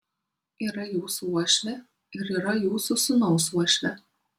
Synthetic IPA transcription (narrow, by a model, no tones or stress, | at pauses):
iːɾɐjuːsuuɔʃʲʋʲɛ | ɪɾiːɾɐjuːsusʊnɒʊsuɔʃʲʋʲɛ